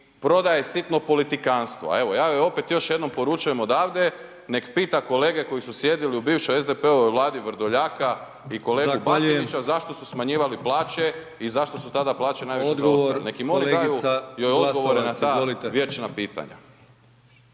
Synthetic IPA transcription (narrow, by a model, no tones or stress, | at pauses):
pɾo̞d̪ajesit̪no̞po̞lit̪ikanst̪ʋo̞̰a̰e̞ʋo̞jaːʋio̞pet̪jo̞ʃje̞d̪no̞mpo̞ɾut͡ʃuje̞mod̪aːʋd̪e | ne̞kpiːt̪ako̞leːɡe̞ko̞jisusje̞d̪iliubiːʋʃojezd̪epeoʋojʋlˠaːd̪iʋɾ̩d̪oʎaːka | iko̞leːubakoit͡ɕazaʃt̪o̞susmaɲiːʋaliplˠaːt͡ʃe̞ | izaʃt̪o̞sut̪ad̪aplˠaːt͡ɕenaːjʋiʃezɡ̪aosa̰llnekimoliɡ̪ajujojod̪ɡo̞ʋoɾenat̪aːlt̪ʋjet͡ʃnapiːt̪a̰ɲa̰